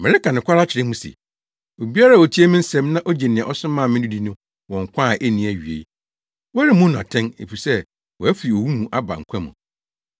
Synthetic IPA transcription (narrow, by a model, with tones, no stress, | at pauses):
mɪ̃˨ɾɪ˦ka˨nɪ̃˨kʷa˦ɾa˦t͡ɕʰɪ˨ɾɪ˦mũ˦sḛ˨ | o˨bi˦a˦ɾa˦˨o˨tʰi˦e˦mɪ̃˦n̩˦sɛ̃˦mnã˦ʔo˦d͡ʑe˨nɪ̃˨ã˨ʔɔ˦sʊ̃˦mãː˦˨mɪ̃˦du˦di˦nʊ̃˦ | wɔ̃˨ŋ̩˨kʷʰã˦˨ʔe˦nĩ˨æ˨ɥi˨ḛ˨˦ | wɔ˦ɾɪ˦mʊ̃˦nʊ̃˨a̰˨tʰɛ̃˦nḛ˨fi˨sɛ˦ | wɔ˨æ˦fɪ˨ɾi˨o˨wu˦mũ˨ʔa˦ba̰˨ŋ̩˨kʷʰa˦mʊ̰̃˨